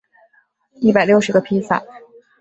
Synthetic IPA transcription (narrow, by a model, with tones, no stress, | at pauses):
i˥˩pa˨˩ɪljo˥˩ʊʂɻ̩˨˩ɡə˧pʰi˥sa̰˨˩˦